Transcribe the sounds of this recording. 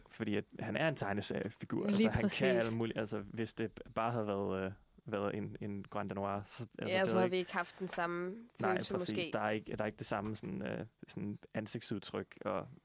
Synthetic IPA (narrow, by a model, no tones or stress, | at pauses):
fɒd̥ḭːæd̥hænæɐe̝nt͡sʰɑ̈ɪnəsæfiɡ̥uɐ̰ʔælsəhækʰææl̰muːlʔælsəʋe̝sd̥e̝b̥ɑ̈ːɦæð̩ˠʋæɐðˠ | ʋæɐð̩ˠe̝ne̝nɡ̥ʁɑnd̥æno̝ɑ̰̈ːsɒʔæl̰sə̥æɑʋieɡ̥hɑfd̥d̥ensɑ̈mfnɑ̈ɪʁɛḭ̥esːd̥ɑæɐe̝ɡ̥ə̥æɐe̝ɡ̥əd̥e̝sɑ̈məsɔ̽nø̰sɔnænse̝ɡ̥d̥suðˠt͡sʰʁœɡ̥ɒ̽